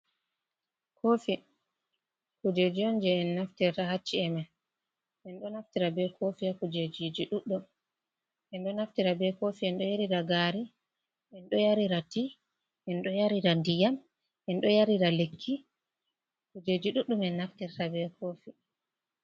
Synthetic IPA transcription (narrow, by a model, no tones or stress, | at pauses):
kʰoːfi | kud͡ʒed͡ʒiɔnd͡ʒɛɛnːaftɛɾtahat͡ʃːiɛmɛ | ʔɛnɗɔnaftiɾabɛkʰofiakud͡ʒed͡ʒid͡ʒiɗuɗːum | ʔɛnɗɔnaftiɾabɛkofiɛnɗɔjaɾiɾaɡaɾi | ʔɛnɗɔjaɾiɾati | ʔɛnɗɔjaɾiɾandijam | ʔɛnɗɔjaɾiɾalekʰːi | kud͡ʒed͡ʒiɗuɗːumɛnːaftɛɾtabɛkʰoːfi